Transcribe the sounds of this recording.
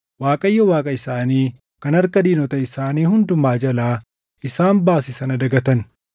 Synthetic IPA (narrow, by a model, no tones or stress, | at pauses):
waːkʼɐjːɐwaːkʼɐɪsaːniː | kɐnɐɾkɐd̪iːnɔt̪ɐɪsaːniːhʊnd̪ʊmaːd͡ʒɐlaː | ʔɪsaːnbaːsɪsɐnɐd̪ɐɡɐt̪ɐn